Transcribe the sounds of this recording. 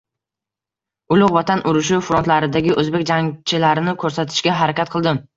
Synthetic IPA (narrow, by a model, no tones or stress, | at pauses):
ʊlˠʊqvɒt̪ʰanʔʊɾʊʃɪfɾont̪laɾɪd̪aɡʲɪʔɵzbekʲd͡ʒaŋt͡ʃʰɪlaɾɪnɪkʰɵɾsat̪ʰɪ̥ʃɡʲaɦaɾakʲat̪̚qʰɨlˠd̪ɪm